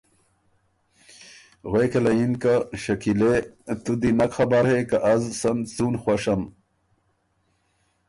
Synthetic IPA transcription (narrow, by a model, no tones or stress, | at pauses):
ɣwekelɐinkaɕɐkilet̪ud̪inɐkxɐbaɾhekaʔɐzsɐnt͡sunxwɐʂɐm